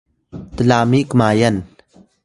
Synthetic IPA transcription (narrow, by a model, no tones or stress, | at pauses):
t̪əlaːmiʔkmaːjən